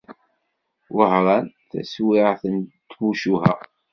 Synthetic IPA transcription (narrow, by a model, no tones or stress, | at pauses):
wəhɾˤɑnθæ̰swɪʕθənt̪ːwuʃuɦæ